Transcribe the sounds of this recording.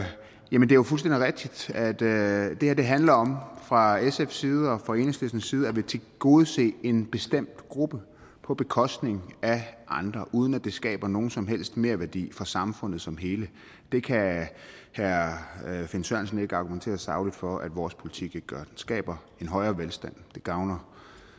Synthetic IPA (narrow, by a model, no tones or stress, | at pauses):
jæmənd̥eæjofulsd̥end̥iʁɛɡ̥̚d̥id̥æd̥d̥e̝heɐ̰d̥e̝ɦænlɐɒ̽mfʁɑ̈esefsiːð̞ˠɒ̽fɒe̝ːnəsl̥esnəsiːð̞̩ˠæʋe̝t͡sʰe̝ɡ̥o̝ːð̞̩ˠse̝̰ːe̝nb̥e̝sd̥em̰d̥ɡ̥ʁub̥ə | pʰɒ̽b̥e̝kʰɒ̽sd̥ne̝ŋæʔɑ̈nd̥ʁɐʔuːð̞ˠən̩æd̥e̝sɡ̥ɛ̰ːb̥ɐno̝ːn̩sɒ̽mɦel̰sd̥me̝ːɐʋæɐd̥ḭːfʁɑ̈sɑ̈mfɔ̽n̰ð̩ˠsɒ̽mɦe̝ːlə | d̥e̝kʰæ | hæɐfe̝nsɶɐnsəne̝ɡ̥əɑ̈ɡ̥ument͡sʰe̝̰ːɐsɑ̈ʊlid̥fɒ̽ʔæd̥ʋɒːspʰo̝li̥t͡sʰiɡ̥eɡ̥ə̥ɡ̥ɶɐd̥ensɡ̥ɛ̰ːb̥ɐ | e̝nɦɒ̽ɪɐːʋelsd̥æn̰d̥e̝ɡ̥ɑ̈ʊnɐ